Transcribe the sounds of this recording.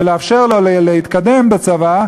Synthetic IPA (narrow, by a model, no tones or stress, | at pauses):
eleafʃeʁlollehit̪kad̪embet͡sava